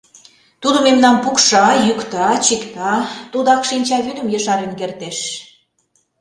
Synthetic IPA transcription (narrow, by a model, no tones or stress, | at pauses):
t̪ud̪ə̆memnɑnpukʃɑjykt̪ɑt͡ɕikt̪ɑt̪ud̪ɑkʃinʲt͡ɕɑβyd̪ə̆mjəʃɑɾenkert̪eʃ